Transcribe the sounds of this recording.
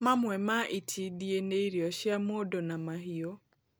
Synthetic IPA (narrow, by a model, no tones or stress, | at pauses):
mamwɛmaʔitʰidieneiɾjɔʃjamodonamaɦio